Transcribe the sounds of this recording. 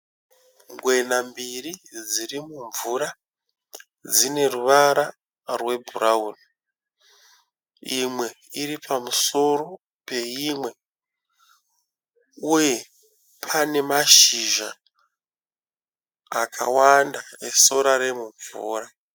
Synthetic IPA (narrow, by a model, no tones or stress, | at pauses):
ŋɡwe̞nambirid͡zirimuɱvuɾa | d͡zine̞ruʋaɾa | rwe̞bʱuɾauːno | imwe̞ | iɾipʰamuso̞ɾo̞ | pe̞imwe̞ | uje̞ | pʰane̞maʃiʒa̰ | kʰa̰wandaeso̞ɾaɾe̞muɱvṵːra